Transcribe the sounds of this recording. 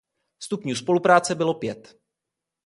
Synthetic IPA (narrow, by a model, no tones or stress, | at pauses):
st̪upɲuːspo̞lupɾaːt͡sɛbɪlo̞pjɛt̪